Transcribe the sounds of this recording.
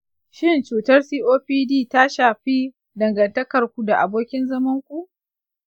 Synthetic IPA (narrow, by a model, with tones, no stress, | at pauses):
ʃɪ˦˨nt͡ʃuː˨tɐ˦rsiː˦ʔoː˦ɸiː˦diː˦˨ta˦ʃaː˨ɸiː˦ | dɐ˨ŋɡɐ˨ntɐ˦kɐ˨rkʷu˨da˨ʔa̰˨boː˦kʲɪ˦nzɐ˦mɐ˦ŋkʷu˨ʔ